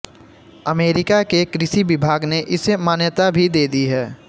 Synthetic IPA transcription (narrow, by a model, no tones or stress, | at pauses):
əmeːɾɪkakekɾɪʃiʋɪbʱaːɡneʔɪsemaːnjət̪abʱid̪eːd̪iɦɛː